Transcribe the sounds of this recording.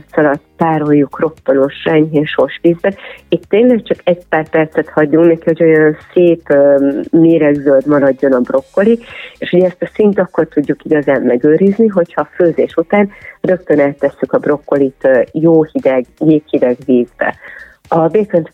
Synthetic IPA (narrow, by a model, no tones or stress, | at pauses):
t̪sɒlɒt̪paːɾo̞jːukro̞pːono̞ʃrɛɲɦeːnʃo̞rʃʋiːzbɛnit̪ːeːnlɛk̚t͡ʃɒkɛɟ̚paːrpɛrt̪sɛt̪hɒɟːuŋknɛkihoɟo̞jɒnseːpː | meːɾɛɡzøld̪mɒɾɒɟːo̞nɒbro̞kːo̞lieʃuɟɛɛst̪ɒsint̪ɒkːo̞rt̪uɟːukiɡɒzaːmmɛɡøːɾizniɦo̞chɒføːzeːʃut̪aːnrø̞kt̪ø̞nɛlt̪ɛsːykɒbro̞kːo̞lit̪joːhid̪ɛɡjeːkhid̪ɛɡʋiːzbɛ̰ | ɒbekɛnt̪